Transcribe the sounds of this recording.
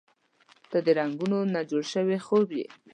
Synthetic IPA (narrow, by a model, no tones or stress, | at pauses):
t̪ad̪əɾaŋɡunonad͡ʒoɽʃəwexobjḛ